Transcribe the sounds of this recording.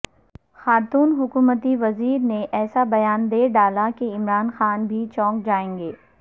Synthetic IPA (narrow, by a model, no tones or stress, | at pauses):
xaːɾt̪uːnɦʊkuːmət̪iʋɐziːɾneʔɛːsabɐjaːnd̪eːɾɖaːlakeɪmɾaːnxaːnbʱit͡ʃɔ̃ːkd͡ʒaːẽːŋɡeː